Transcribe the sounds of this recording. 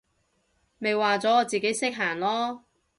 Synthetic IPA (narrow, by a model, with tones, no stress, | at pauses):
me˨˧jwaː˨t͡sɔː˨˥ŋɔː˨˧t͡siː˨ke˨˥jsɪ˥k̚ɦaː˨˩ŋlɔː˥